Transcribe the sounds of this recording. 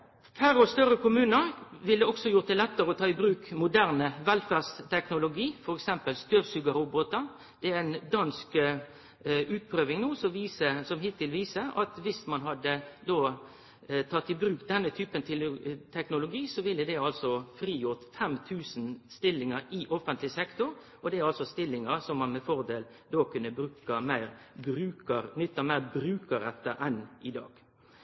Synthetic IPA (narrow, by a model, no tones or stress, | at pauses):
kʰæɾɔst̪œɾəkʰʊmʉːnəɾʋɪld̪əɔksɔjʊʁt̪̚d̪ɛlɛt̪ːəɾəɔt̪ʰɑːɪbɾʉːkmʊd̪æːʁnəʋɛlfæːʁst̪ʰɛknʊlʊɡiːfɔɾɛksɛmpəlst̪øːʁsʉɡɑɾʊbot̪ɑ | d̪̥ɛæɛnd̪ɑnsk | ʉːt̪̚pʰɾøːʋɪŋnuːsɔmʋiːsəsɔmhɪt̪ːɪlʋiːsəɑ̰t̪ʋɪsmɑnɦɑd̪əd̪oː | t̪ʰɑt̪ːɪbɾʉːkd̪ɛnːət̪ʰyːpənt̪ʰɪlt̪ʰɛknʊlʊɡiːsɔʋɪlːəd̪ɛɑlsɔfɾiːjʊʁt̪fɛmt̪ʰʉːsnst̪ɪlːɪŋəɾɪʔɔfənt̪lɪsɛkt̪ʊɾ | ɔd̪ɛɑlsɔst̪ɪlːɪŋəɾsɔmːɑnmɛfɔʁd̪eːld̪oːkʰʉnːəbɾʉːkəmæɪɾbɾʉːkəɾnʏt̪ːɑmæɪbɾʉːkəɾɛt̪ːəʔɛnɪd̪ɑ̰ːɡ̥